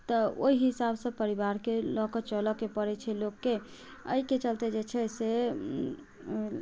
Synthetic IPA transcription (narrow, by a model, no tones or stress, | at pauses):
t̪ɔo̰iɦisabsə̃pəɾibaɾkelɔkɔt͡ʃəlɔkepəɾɛt͡ʃʰɛlokːe | ə̰iket͡ʃəlt̪ɛd͡ʒet͡ʃʰɛse